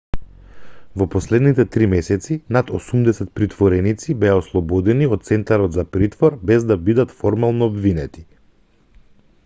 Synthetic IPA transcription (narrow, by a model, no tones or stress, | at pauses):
vɔpɔslɛd̪nit̪ɛt̪ɾimɛsɛt̪sinat̪osumd̪ɛsɛt̪̚pɾit̪vɔɾɛnit̪sibɛaoslˠɔbɔd̪ɛnioɔt̪t̪sɛnt̪aɾɔt̪zapɾit̪vɔɾbɛzd̪abid̪at̪fɔɾmalˠnɔːbvinɛt̪i̥